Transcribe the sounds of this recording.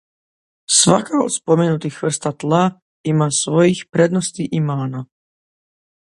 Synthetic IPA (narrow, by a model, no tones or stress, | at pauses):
sʋa̰kao̰t̪spomenut̪ixʋr̩st̪at̪lˠa | imasʋojixpɾed̪nost̪iʔimaːna